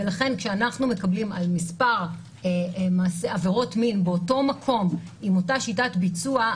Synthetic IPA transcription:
velaχe̞nkʃeanaχnume̞kablimalmispaʁ | maːseave̞ʁo̞tminbeoto̞makʰo̞m | imo̞taʃitatbit͡sua

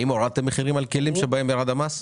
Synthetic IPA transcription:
imoɾat̪emːeχiʁimalkelimʃebaemjaʁad̪amas

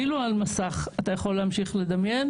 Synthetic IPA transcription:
ilualmasaχatajaχo̞lːehamʃiχle̞d̪amje̞n

